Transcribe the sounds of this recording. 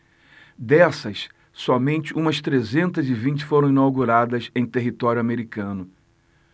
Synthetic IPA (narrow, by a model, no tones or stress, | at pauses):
d̪ɛsɐs | sɔmẽnt͡ʃɪʔũmɐst̪ɾezẽnt̪ɐzɪvĩnt͡ʃɪ̥foɾɐ̃w̃ĩnawɡuɾad̪ɐzẽj̃t̪eɦit̪ɔɾjuameɾikɐ̃nʊ